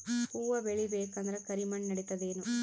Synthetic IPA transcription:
puːʋɐbeɭibeːkɐnd̪ɐɾɐkɐɾimɐɳːɐɽit̪ɐd̪eːnu

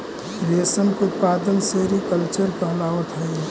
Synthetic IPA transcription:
ʋeːsənkʊt̪paːd̪ənseɾikəlt͡ʃəɾpəɦlaːʋət̪ɦɛj

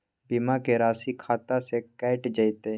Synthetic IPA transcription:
bimakeɾaːsikʰaːt̪asekɛɪʈd͡ʒəɪt̪e

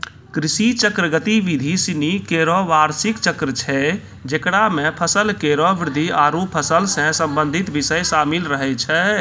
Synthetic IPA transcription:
kɾisit͡ʃəkɾəɡət̪iʋid̪ʱisinikeɾɔʋaɾsikt͡ʃəkɾət͡ʃʰɛ | d͡ʒekɽamẽpʰəsəlkeɾɔʋɪɾd̪ʱiaːɾupʰəsəlsɛ̃səmbə̃nd̪ʱit̪ʋisəjsaːmilɾəɦɛt͡ʃʰɛ

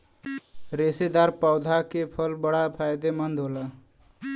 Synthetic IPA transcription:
ɾesed̪aɾpaʊd̪ʱakepʰəlbəɽapʰajd̪emənd̪ʱɦola

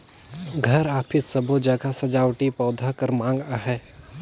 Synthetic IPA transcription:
ɡʱɐɾaːpʰɪsɐbʱod͡ʒəɡasɐd͡ʒaːwʈipɔːd̪ʱakɐɾmãːŋɡaɦɛː

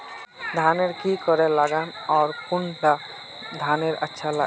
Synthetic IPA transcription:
d̪ʱaneɾkikɔɾɛlaɡanɔːɾpunʈa | d̪ʱaneɾə̰tːʃʰala̰

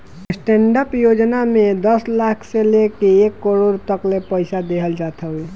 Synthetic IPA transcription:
sʈeɳɖəpjod͡ʒnamed̪əslakʰselekeːkːəɾoɾt̪əklepəjsad̪eɦəld͡ʒat̪ʰəɦi

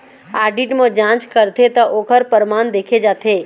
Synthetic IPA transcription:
aːɖiʈmə̃d͡ʒãːt͡ʃkəɾt̪ʰet̪ɐʔoːkʰəɾpəɾmaːnd̪eːkʰed͡ʒaːt̪ʰeː

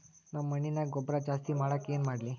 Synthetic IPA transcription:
naməninaɡobɾad͡ʑast̪iːmaɭakenmaɽle

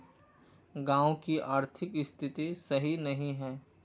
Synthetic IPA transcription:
ɡãːõkiʔaːɾt̪ʰɪkɪst̪ʰɪt̪isɐɦinɐɦĩɦɛː

